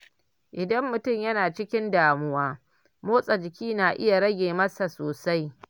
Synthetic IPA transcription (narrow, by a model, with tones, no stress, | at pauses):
ʔɪ˨dɐ˦mːʊ˨tʊ˦˨mjɐ˦naː˨t͡ʃɪ˦kʲɪ˦ndaː˨mʊ˦waː˦ | moː˦sʼɐ˨d͡ʒɪ˨kʲiː˦naː˨ʔɪ˦ja˨ɽɐ˦ɡʲeː˨mɐ˦sa˨soː˨sa˦j